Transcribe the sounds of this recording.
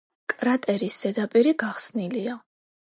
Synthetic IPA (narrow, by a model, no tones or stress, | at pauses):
kʼɾat̪ʼɛɾisz̥ɛd̪apʼiɾiɡaχsnilia